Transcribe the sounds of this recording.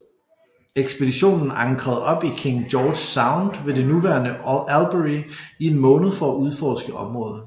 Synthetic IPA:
eɡ̥sb̥e̝d̥iɕo̝̰ːnn̩ɑ̈ŋɡ̥ʰʁɐð̞̩ˠɒ̽b̥ikʰeŋd̥jɒːd̥saɑ̈ʊnd̥ʋe̝de̝nuʋæɐnəælb̥əʁiie̝nmɔ̽ːnð̩ˠfɒ̽æʔuð̞ˠfɒ̰ːsɡ̥əʔɒ̽mʁɔ̽ːð̩ˠ

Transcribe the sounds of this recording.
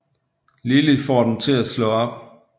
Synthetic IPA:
lilifɒːd̥em̩t͡sʰe̝læslɔ̽ɒ̽b̥

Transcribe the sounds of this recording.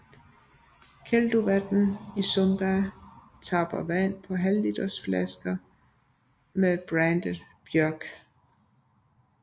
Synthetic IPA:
kʰeld̥uʋæd̥n̩isɔmb̥æ | t͡sʰɑ̈b̥ɐʋæn̰pʰɒ̽ɦællid̥ɐsflæsɡ̥ɐ | meðb̥ʁænd̥əb̥jœɐɡ̥

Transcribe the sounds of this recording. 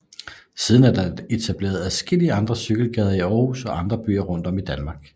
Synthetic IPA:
sið̞ˠn̩æɐd̥ɑ̈e̝t͡sʰæb̥le̝̰ːɐð̞̩ˠæsɡ̥e̝liəɑ̈nd̥ʁɐsyɡ̥l̩ɡ̥ɛːð̞ˠɐiɒːhusɒ̽ʔɑ̈nd̥ʁɐb̥y̰ːɐʁɔ̽n̰d̥ɒ̽mid̥ænmɑ̈ːɡ̥

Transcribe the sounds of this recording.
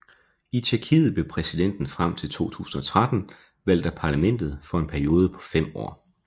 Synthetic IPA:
it͡sʰiɐkʰḭːð̞̩ˠb̥lepʰʁɛsid̥en̰d̥n̩fʁam̰t͡sʰe̝lt͡sʰo̝̰ːt͡sʰṵːsn̩ɒ̽t͡sʰʁad̥n̩ | ʋæl̰d̥əpʰɑ̈læmen̰d̥ð̞̩ˠfɒ̽e̝npʰæɐio̝ːð̞ˠəpʰɒ̥̽fem̰ɒ̰ː

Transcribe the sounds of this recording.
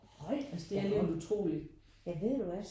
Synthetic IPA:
hɒɪ̰æsd̥e̝æɐlenut͡sʰʁo̝̰ːlid̥ | jɑɪʋe̝ð̰ˠd̥uɒs

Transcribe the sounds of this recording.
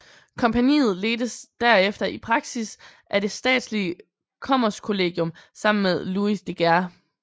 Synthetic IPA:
kʰɒ̽mpʰænḭːð̩ˠle̝ːd̥əsd̥æɐefd̥ɐʔipʰʁɑ̈ɡ̥sisʔæd̥e̝sd̥ɛ̰ːd̥sliə | kʰɒ̽m̰ɐskʰo̝le̝ːɡ̥jɔ̽msɑ̈m̰n̩meðˠluisd̥e̝ɡ̥æɐ

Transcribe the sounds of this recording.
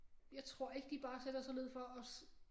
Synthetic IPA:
jɑ̈ɪt͡sʰʁo̝ɐ̰e̝ɡ̥əd̥ib̥ɑ̈ːsed̥ɐsɒ̽le̝ð̞̰ˠfɒ̽ɒs

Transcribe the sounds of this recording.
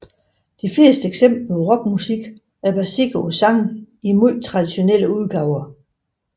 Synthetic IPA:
d̥ifle̝ːsd̥əeɡ̥sem̰b̥llʁɔ̽ɡ̥musiɡ̥ | æɐb̥æsiɡ̥osɑ̈ŋn̩ | imuð̰t͡sʰʁɑ̈d̥iɕo̝nel̰əuð̞ˠɡ̥ɑ̈ʊɐ

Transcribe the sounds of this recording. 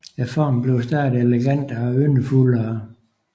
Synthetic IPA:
ɛfɒ̰ːmb̥le̝ʊsd̥æɐd̥eleɡ̥æn̰d̥ɒønəfulɐː

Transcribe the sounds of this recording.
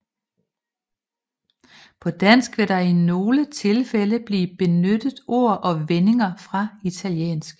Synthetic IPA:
pʰɒ̽d̥æn̰sɡ̥ʋe̝ɾ̥ɑ̈ino̝ːlət͡sʰe̝lfeləb̥liːb̥e̝nød̥ð̩ˠo̝ɐ̰ʔɒ̽ʋene̝ŋɐfʁɑ̈it͡sʰæljḛːnsɡ̥

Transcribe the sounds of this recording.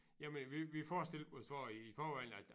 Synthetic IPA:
jæmenʋiʋifɒːsd̥el̥osʋɑ̰ːiːfɒːʋæl̰n̩æd̥

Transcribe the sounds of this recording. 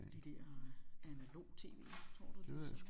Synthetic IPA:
d̥id̥ɛɐ̰ænælo̝̰ːt͡sʰe̝̰ːʋe̝̰ːt͡sʰʁɔ̰ɐ̰d̥u̥s

